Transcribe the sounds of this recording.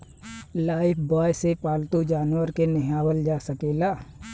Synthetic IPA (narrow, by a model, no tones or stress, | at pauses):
laːɪpʰbɔːjsepaːlt̪ud͡ʒaːnwəɾkenɪɦaːwəld͡ʒaːsəkeːlaː